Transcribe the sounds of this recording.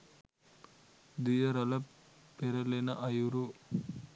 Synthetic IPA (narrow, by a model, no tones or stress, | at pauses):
d̪ijɐɾɐlɐ | peɾɐlenɐʔɐjuɾu